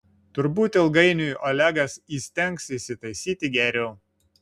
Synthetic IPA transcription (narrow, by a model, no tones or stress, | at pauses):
t̪ʊɾbuːt̪ʲɪlˠɡɐɪnʲujʔɔlʲæɡɐsiːsʲt̪ʲɛŋˑksisʲɪt̪ɐɪsʲiːt̪ʲɪɡʲɛɾʲɛʊ